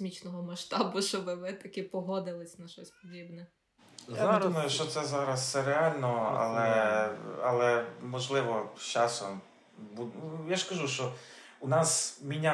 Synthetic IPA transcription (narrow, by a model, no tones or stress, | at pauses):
mʲit͡ʃnɔɦɔmɐʃt̪ɑbʊʃt͡ʃɔbɪʋɪt̪ɐkʲɪpɔɦɔd̪ɪlˠɪsʲnɐʃɔsʲpɔdʲibnɛ | ja̰ed̪umɐjʊʃt͡ʃɔt̪sɛzɑɾɐst̪sɛɾeɑlʲnɔɐ̰lˠɛ | ɐ̰lˠɛmɔʒlˠɪʋɔt͡ʃɑsɔm | bujaʃkɐʒuʃt͡ʃɔ | unɑsmʲinʲa